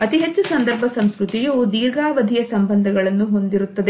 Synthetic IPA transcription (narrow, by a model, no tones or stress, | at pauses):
ɐt̪iɦet͡ʃːusɐnd̪ɐɾbʱɐsɐmskɾut̪ijud̪iːɾɡaːʋɐd̪ʱijɐsɐmbɐnd̪ʱɐɡɐɭɐnːuɦo̞nd̪iɾut̪ːɐd̪e